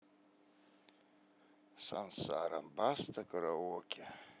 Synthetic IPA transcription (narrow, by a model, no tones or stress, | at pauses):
sa̰nsa̰ːɾa̰mbastʰakʼɨɾawokʲʼa